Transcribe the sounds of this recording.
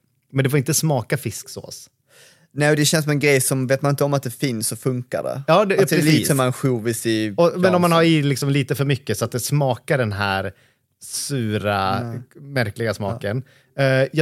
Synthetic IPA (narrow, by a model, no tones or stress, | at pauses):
mɛnd̪ɛfɔɾɪnt̪əsmɑːkafɪskso̰ːs | nɛːd̪ɛɕɛnsɔmɛnɡɾɛjsɔmveːt̪̚manɪnt̪əɔmat̪̚d̪ɛfɪnsːɔfɵŋka̰ɖɛ̰jɑːdɾɛliːɔmanɧuːvɪsɪɔmɛnɔmːanhaɾilɪksɔmliːt̪əfœɾmʏkːəsɔat̪̚d̪ɛsmɑːkaɖɛnɦæːɾ | sʉːɾa | mæɾklɪɡasmɑ̰ːkən | jɑ